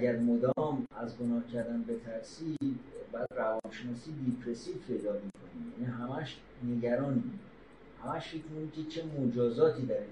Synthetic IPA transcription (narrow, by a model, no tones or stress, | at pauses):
ʔæɟæɾmod̪ɒːmæzɡo̞nɒːhcʰæɾd̪ænbe̞t̪ʰæɾsiːd̪bɒjæd̪rævɒːnʃenɒːsid̪ipʰɾesiːfpʰe̞jd̪ɒːmiːkʰonijæniɦæmæʃ | ne̞ɟæɾɒːni | hæmæʃfecʰmnikʲʰet͡ʃʰe̞mod͡ʒɒːzɒːt̪ʰiːd̪æɾi